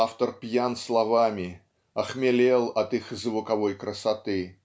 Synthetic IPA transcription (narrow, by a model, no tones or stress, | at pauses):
aft̪ərpjanslˠɐvamʲɪ | ɐxmʲɪlʲelˠɐt̪ɨxzvʊkɐvojkɾəsɐt̪ɨ